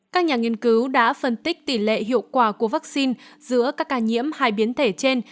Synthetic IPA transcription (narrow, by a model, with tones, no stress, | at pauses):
kaː˦˥k̚ɲaː˨˩ŋi˧ənkɨ˨˦wɗa̰ː˧˥fə˧˩nt̪ï˦˥k̚t̪i˧˩lḛ˧˨ɦḭ˧˨əwkwaː˧˩ku˧˩əvaː˦˥k̚si˧nzɨ̰˧˥əkaː˦˥kːaː˧˩ɲḭ˧˥əmhaː˧˩jɓi˨˦ənt̪ʰe˧˩t͡ɕe˧n